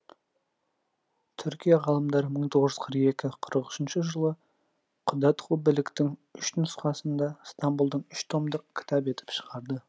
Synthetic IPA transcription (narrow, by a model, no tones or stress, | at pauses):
t̪ʰʏɾkʲijɑʁɑlˠəmd̪ɑɾməɴt̪ʰo̞ʁəʒəz̥qʰəɾqe̞kʲɪqʰəɾəqʏ̥ʃɪnʃɪʒəlˠə | qʰʊd̪ɑt̪qʰubɪlɪkt̪ɪŋʏʃnʊsqɑsənd̪ɑst̪ɑmbulˠd̪əɴʏʃt̪ʰo̞md̪əqkʲʰɪ̥t̪ʰɑpe̞t̪ɪ̥pʃə̥ʁɑɾd̪ə